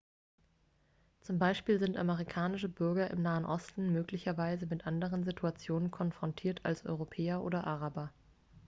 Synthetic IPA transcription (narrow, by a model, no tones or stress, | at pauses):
t͡sʊmbaɪʃpiːlzɪntʔaməʁ̞ikʰaːnɪʃəbʏɐɡɐʔɪ̰mnaːənʔɔstn̩møːklɪçɐvaɪzəmɪtʔandəʁ̞ənzitʰuat͡sjoːnənkʰɔnfʁ̥ɔntʰiːɐtʰa̰lsʔɔ̰ʏʁopʰɛːɐʔoːdɐʔaʁabɐ